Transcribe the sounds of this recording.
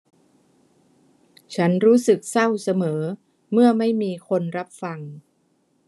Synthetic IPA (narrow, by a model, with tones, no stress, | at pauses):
t͡ɕʰa˦˥nɾuː˦˥sɯ˨˩k̚sa˥˩wsa˧mɤː˩˦ | mɯ˥˩ɐma˥˩jmiː˧kʰo˧nɾa˦˥p̚fa˧ŋ